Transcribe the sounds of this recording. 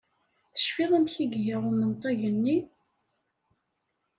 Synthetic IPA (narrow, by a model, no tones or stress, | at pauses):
θə̥ʃfiðˤæmçiɡjæʁʊmənt̪ˤɑʝənːi